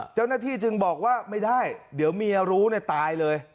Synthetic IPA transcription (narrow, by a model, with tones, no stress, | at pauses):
t͡ɕa˥˩wnaː˥˩t̪ʰiː˥˩t͡ɕɯ˧ŋbɔː˨˩k̚waː˥˩ma˥˩jdaː˥˩jdi˨˩˦əwmiː˧ɾuː˦˥ni˥˩t̪aː˧jlɤː˧j